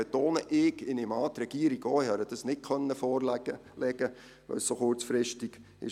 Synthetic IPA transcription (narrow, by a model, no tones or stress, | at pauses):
et̪oːnəʔɪɡɪnɪmɑːt̪ɾɛɡ̥iːəɾiɡoːɪhɑɾəd̥ɑsnɪt̚kʰœnːəfɔːrləlɛɡə | ʋɛ̰lssoχʊɾt͡sfɾɪʃtiɡ̥ | ɪ̰